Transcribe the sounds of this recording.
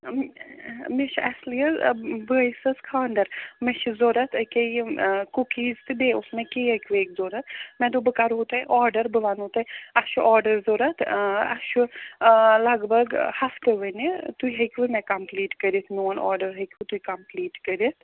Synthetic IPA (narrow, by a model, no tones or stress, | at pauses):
miʃɐslijɐzbəjsɐskʰaːnd̪ɐɾmeʃzoːɾɐt̪ʰɐkekukiːzt̪ɨbeʊsmẽkeɦɐkʋeːkzoːɾɐt̪ʰmɛ̃d̪oːbəkaɾɦoːt̪aɛʔɔːɾɖəɾbəʋanɦoːt̪ɐɛɐʃɔːɾɖəɾzoːɾɐt̪ʰɐ̰ʃu | lɐɡbɐɡhɐft̪eʋɐnit̪uiɦɐkʋɨmɛ̃kɐmpliːʈkɐɾit̪ʰmoːnʔɔ̰ːɾɖəɾɦɐkɨt̪uikɐmpliːʈkɐɾit̪ʰ